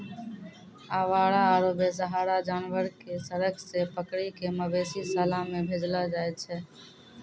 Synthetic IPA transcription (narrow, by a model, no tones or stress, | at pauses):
aːʋaːɽaaːɾoːbesəɦaːɾad͡ʒaːnʋəɾkesəɾəkʰsepəkɽikeməbeːsisaːlãmẽbʱeːd͡ʒlad͡ʒaːet̪̚t͡ʃʰɛː